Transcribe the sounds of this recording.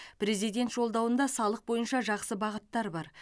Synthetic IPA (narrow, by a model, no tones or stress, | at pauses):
pɾe̞zijd̪ʲe̞nt̪ʒo̞lˠd̪ɑwənd̪ɑsɑlˠəq̚bo̞jənʃɑʒɑqsəbɑʁət̪ːɑɾbɑɾ